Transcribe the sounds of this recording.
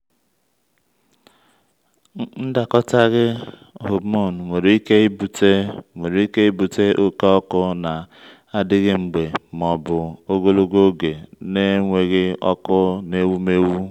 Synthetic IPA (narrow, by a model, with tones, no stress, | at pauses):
n̩˦da˨kɔ˦ta˦ɣɪ˦ | ɦo˨bmo˦˨n˨ŋʷe˨ɾi˦ke˦i˦bu˨te˦ŋʷe˨ɾi˨i˦ke˦i˦bu˨te˦ʔo˦ke˦ɔ˦kʊ˦na˨ | a˦dɪ˦ɣɪ˦ŋ͡m̩˨ɡ͡be˨m˨ɔ˨bʊ˨o˦ɡo˦lo˦ɡo˦ɡe˨ne˦ŋʷe˨ɣɪ˦ɔ˦kʊ˦ne˦wu˦me˦wu˦